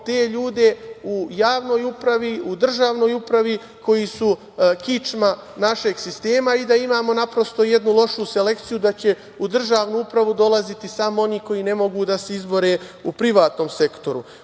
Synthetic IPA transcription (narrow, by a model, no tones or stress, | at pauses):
t̪e̞ːʎuːd̪e̞ujaːʋno̞ːjupɾaʋiud̪r̩ʒaːʋno̞ːjupɾaʋi | ko̞jisu | kit͡ʃma | naʃe̞ɡsist̪e̞ːmaid̪aimaːmo̞napɾo̞st̪o̞jed̪nulˠo̞ʃuse̞le̞kt̪sijud̪at͡ɕe̞ | ud̪r̩ʒaːʋnuupɾaʋud̪o̞lˠazit̪isaːmoo̞niːko̞jiːne̞mo̞ɡuːd̪ase̞izbo̞ɾe̞ːupɾiʋaːt̪no̞ːmse̞kt̪o̞ɾṵ